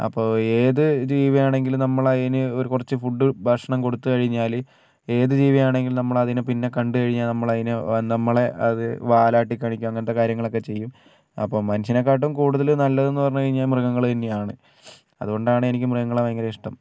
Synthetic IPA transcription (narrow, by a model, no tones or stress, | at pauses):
ɐ̰pːo̞ːe̞ːðɨd͡ʑiːʋɐjaːɳeŋɡilmnɐmːɐɭɐðinɨo̞ɾukurɐt͡ɕːɨfuɖːɨbʱɐʂɐɳɐmko̞ɽut̪ːukɐɻiɲːaːl | e̞ːðɨd͡ʑiːʋijaːɳe̞ŋɡilnɐmːɐɭɐðinɨpinːe̞kɐɳɖɨkɐɻiɲːaːlnɐmːɐɭɐðinɨnɐmːɐɭe̞ʔɐðɨʋaːlaːʈːikʲːaːɳikʲːumɐŋːɐnɐt̪ːe̞kaːɾjɐŋːɐɭo̞kːe̞t͡ɕe̞jːum | ɐ̰pːoːmɐnuɕɐnɐkːaːʈ̬ːumkuːɽuðɐlnɐlːɐðe̞nːupɐrɐɲːukɐɻiɲːaːlmrɨɣɐŋːɐɭt̪ɐnːejaːɳɨ | ɐ̰ðuɣo̞ɳɖaːɳɨe̞nikʲːɨmrɨɣɐŋːɐɭɐmɐŋːɡɐɾeiʂʈɐm